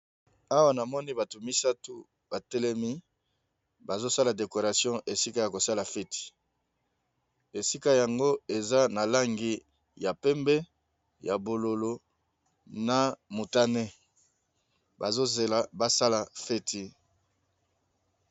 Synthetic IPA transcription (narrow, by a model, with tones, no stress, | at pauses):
a˦wa˦na˨mɔ˦ni˦ba˨tu˨mi˦sa˦tu˦ | b̥a˨tɛ˦lɛ˦mi˦ | ba˨zo˦sa˦la˨de˨ko˨ʁa˨sjɔ̃˦ʔe˨si˦ka˦ja˨ko˨sa˦la˨fe˦ti̥˨ | e˨si˦ka˦ja˨ŋɡo˦e˨za˦na˨la˦ŋɡi˦ | ja˨pɛ˦mbɛ˦ | ja˨bo˨lo˨lo˨ | na˨mu˨ta˦ne˦ | ba˨zo˦ze˨la˨ba˦sa˦la˨fe˦ti˨